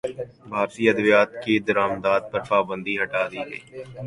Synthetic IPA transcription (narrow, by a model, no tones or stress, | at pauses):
bʱaːɾt̪iːəd̪ʋijaːt̪kiːd̪əɾaːmd̪aːd̪̚pəɾpaːbə̃nd̪iːɦəʈaːɾiːɦḛː